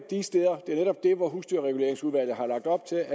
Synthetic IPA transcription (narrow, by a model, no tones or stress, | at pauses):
d̥isd̥eːðˠɐd̥e̝æɐneɾɒ̽b̥̚d̥e̝ʋɒɦusd̥yɐʁɛɡ̥ule̝̰ɐeŋsuðˠʋæl̰ð̩ˠɦɑ̈lɑ̈ɡ̥̚d̥ɒ̽b̥̚t͡sʰe̝læ